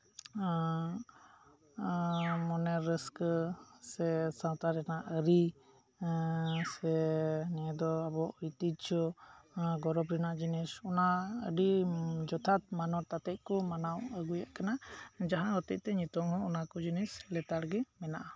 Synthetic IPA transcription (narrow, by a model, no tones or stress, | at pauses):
mɔnɛɾːɛsksɛsawt̪aɾɛnaʔəɾi | sɛniɛd̪ɔabɔʔujt̪id͡ʒd͡ʒɔ | ɡɔɾɔbɾɛnaʔd͡ʒinisɔnaə̰ɖid͡ʒɔt̪ʰat̪̚manɔɾt̪at̪ɛʔ̚kɔmanawəɡujaʔkanad͡ʒaɦãɦɔt̪ɛc̚ˀt̪ɛɲut̪ɔŋɦɔ̃ɔnakɔd͡ʒinislɛt̪aɽɡɛmɛnaʔa